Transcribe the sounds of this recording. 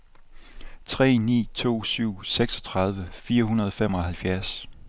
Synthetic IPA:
t͡sʰʁɛ̰ːnḭːt͡sʰo̝̰ːsyʊ̰seɡ̥sɒ̽t͡sʰʁɑ̈ð̞ˠʋəfiːɐɦunɐðˠɒ̽fem̰ɒ̽ɦælfjæɐs

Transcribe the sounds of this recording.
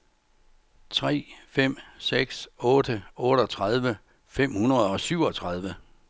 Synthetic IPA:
t͡sʰʁɛ̰ːfem̰seɡ̥sɔ̽ːd̥əɔ̽ːɾ̥əɒ̽t͡sʰʁað̞ˠʋə | fem̰hunɐð̞̩ˠɒ̽syʊ̰ɒ̽t͡sʰʁɑð̞ˠʋə

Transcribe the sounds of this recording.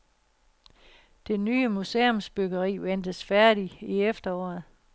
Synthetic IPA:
d̥enːyːəmuse̝ːomsb̥øɡ̥ɐʁḭːʋend̥əsfæɐɾ̥iiefd̥ɐɒ̰ːð̩ˠ

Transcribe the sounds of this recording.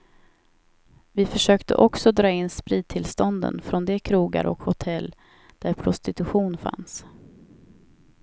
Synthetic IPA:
vɪfœʂøːkt̪ə̰ʔɔksɔd̪ɾɑːɪnːspɾiːd̪̚t̪ʰɪlst̪ɔnd̪ə̰nfɾɔnd̪ɛkʰɾuːɡa̰ɾʔɔ̰khʊt̪ʰɛlː | d̪̥æɾpʰɾʊst̪ɪt̪ɵɧuːnfa̰ns

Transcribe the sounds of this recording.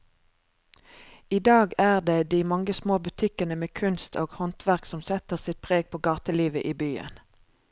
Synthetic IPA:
iːd̪ɑːɡæːʁd̪eːd̪iːmɑŋəsmoːbʉt̪ʰɪkənəmeːkʰʉnst̪ʰoːɡ̥hɔnt̪ʰʋæʁksɔmsɛt̪əʁsɪt̪̚pʰʁeːɡ̚pʰoːɡɑːt̪əliːʋəʔiːbyːə̰n

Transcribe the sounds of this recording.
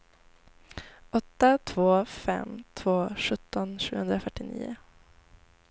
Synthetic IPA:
ʔɔt̪ːat̪ʰvoːfɛ̰mt̪ʰv̥oːʂɵt̪ːɔnʂʉ̟ːɡhɵnd̪ɾafœʈːɪnḭːʊ̰

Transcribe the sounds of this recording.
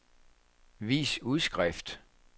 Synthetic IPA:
ʋḭːsuðˠsɡ̥ʁɛfd̥

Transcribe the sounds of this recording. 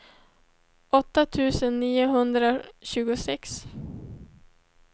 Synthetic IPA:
ʔɔt̪ːat̪ʰʉ̟ːsənːiːʊɦɵnd̪ɾaɕʉ̟ːɡʊsɛks

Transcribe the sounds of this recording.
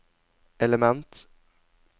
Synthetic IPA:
ɛləmɛnt̪

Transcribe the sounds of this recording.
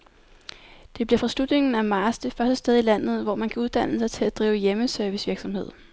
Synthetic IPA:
d̥e̝b̥liɐ̰fʁɑ̈sl̥ud̥ne̝ŋn̩æmɑ̈ːsd̥efɶɐsd̥əsd̥eð̞ˠilæn̰ð̞̩ˠʋɒmænkʰæuðˠd̥æn̰əsɑ̈ɪt͡sʰe̝læd̥ʁiːʊəjeməsœɐʋisʋiɐɡ̥sɒ̽mhe̝ð̞̰ˠ

